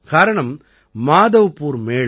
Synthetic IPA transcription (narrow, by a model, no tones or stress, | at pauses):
kaːɾɐɳɐm | maːðɐʋpuːɾmeː